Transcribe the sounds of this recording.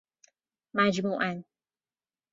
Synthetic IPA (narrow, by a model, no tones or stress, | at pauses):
mad͡ʒmuːʔan